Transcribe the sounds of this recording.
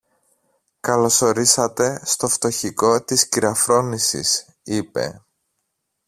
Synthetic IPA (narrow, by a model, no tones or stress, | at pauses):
kɐlo̞so̞ɾisɐt̪e̞st̪o̞ft̪o̞çiko̞t̪isciɾɐfɾo̞nisḭs | ipe̞̰